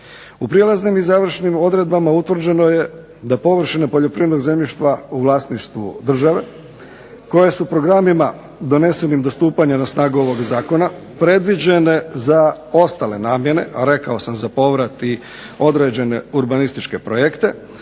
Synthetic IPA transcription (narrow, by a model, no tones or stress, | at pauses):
upɾielˠaznimizaːʋr̩ʃnimo̞d̪ɾe̞d̪̚bamaut̪ʋr̩d͡ʑe̞no̞je | d̪apo̞ʋr̩ʃinepoʎo̞pɾiːed̪noɡze̞mʎiʃt̪ʋauʋlˠaːsniʃt̪ʋṵd̪r̩ʒaʋe̞ | ko̞je̞supɾo̞ɡɾamima | d̪o̞ne̞se̞nimd̪o̞st̪uːpaɲanasnaːɡuo̞ʋo̞ɡzaːko̞na | pɾe̞d̪ʋid͡ʑe̞ne̞za | o̞st̪ale̞naːmje̞ne̞̰ʔaɾe̞kao̞samzapo̞ʋɾat̪i | o̞d̪ɾed͡ʑe̞ne̞uɾbanist̪it͡ʃke̞pɾojekt̪e̞